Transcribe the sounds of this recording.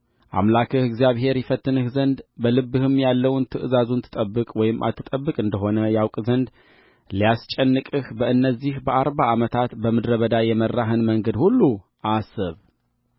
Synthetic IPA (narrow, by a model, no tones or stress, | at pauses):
ʔa̰mlakʰɨhɨɡzijaβɦe̞ɾjɪfət̪ːɨnɨhzənd̪bəlɨbːɨhɨmjalːəwnt̪ʰɨʔɨzazunt̪ʰɨt̪ʼəbːɨkʼwɔjɪmʔa̰t̪ʰːɨt̪ʼəbːɨkʼɨnd̪əɦo̞nəjawkʼzənd̪ | lijast͡ʃʼɛnːɨkʼɨhbəɨnːəzːihbəʔaɾbaːmət̪ʰat̪bəmɨd̪ɾəβəd̪ajɛmərːaɦɨnməŋɡəd̪hulːu | ʔasɨβ